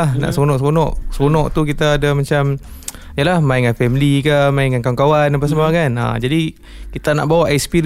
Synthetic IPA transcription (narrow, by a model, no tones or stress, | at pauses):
ahna̰ʔsəonɔʔsəponɔʔsəponɔʔt̪ukit̪aːdamat͡ʃam | jalahmaiŋanfɛmlikamaiŋankawaŋkawanap̬aʔs̬amakana̰d͡ʒadi | kit̪ana̰ʔbawaʔɛkspiɾ